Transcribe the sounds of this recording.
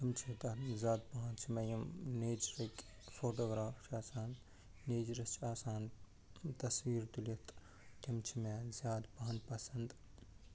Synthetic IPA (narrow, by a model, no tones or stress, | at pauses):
t̪imt͡ʃʰit̪ɐzʲaːd̪̚baɦãnt͡ʃʰimɐjɐmneːd͡ʒɾɐk | fʰoːʈoːɡɾaːpʰt͡ʃʰiaːsaːn | neːd͡ʒɾɐst͡ʃʰiaːsaːn | t̪ɐswiːɾt̪ulɐt̪ʰ | t̪imt͡ʃʰimezʲjaːd̪bɐɦɐnpɐsɐnd̪